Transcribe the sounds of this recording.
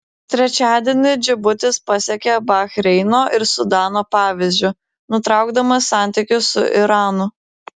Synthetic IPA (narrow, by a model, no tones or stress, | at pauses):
t̪ʲɾʲɛt͡ʃʲæːd̪ʲiɛnʲɪd͡ʒʲɪbʊt̪ʲɪspɐsʲɛkʲɛbɐxɾʲɛɪnoːʔɪɾsʊd̪ɑːnoːpɑːʋʲɪzʲd͡ʒʲʊ | nʊt̪ɾɑˑʊɡd̪ɐmɐsɑˑnʲt̪ʲɪkʲʊsʊ̰ʔɪɾɑːnʊ